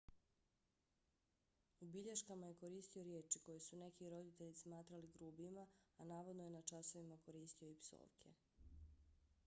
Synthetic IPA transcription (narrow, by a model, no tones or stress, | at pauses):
ubiʎeʃkamaje̞koɾiːst̪io̞ɾjeːt͡ʃiko̞jesune̞kiɾo̞d̪it̪e̞ʎismaːt̪ɾaliɡɾuːbimaːnaːʋo̞d̪nojenat͡ʃaso̞ʋimako̞ɾiːst̪io̞ipso̰ːʋkʰe